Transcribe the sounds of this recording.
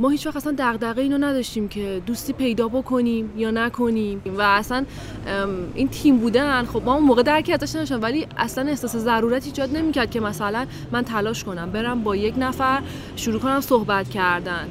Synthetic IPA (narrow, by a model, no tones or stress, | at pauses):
mɒːhiːt͡ʃʰvæxt̪æsænd̪æɣd̪æʁɣeiːnonæd̪ɒʃt̪iːmcʰe̞d̪ust̪iːpʰe̞jd̪ɒːbo̞kʰo̞niːmjɒːnækʰo̞nimmvæːsæn | ʔint̪ʰimbuːd̪ænxo̞b̚mɒːunmoːɣed̪æɾkʰiæzæʃnæʃ̬æmvæliːæ̰slæne̞hsɒːse̞zæɾuːɾæt̪ʰiːd͡ʒɒːd̪̚ne̞miːcæɾd̪̚cʰe̞mæsælæn | mænt̪ʰælɒːʃko̞næmbe̞ɾæmbɒːjecnæfæɾ | ʃuɾuːkʰo̞næmsohbæt̪cʰæɾd̪æn